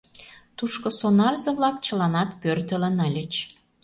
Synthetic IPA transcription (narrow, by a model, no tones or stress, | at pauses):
t̪uʃkosonɑrzɤ̆βlɑk̚t͡ɕə̆lɑnɑt̪pørt̪ə̆lənəlʲə̆t͡ɕ